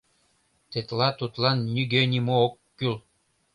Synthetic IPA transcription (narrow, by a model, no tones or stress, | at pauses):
t̪et̪lˠɑt̪ut̪lˠɑnːʲyɡenʲimookːyl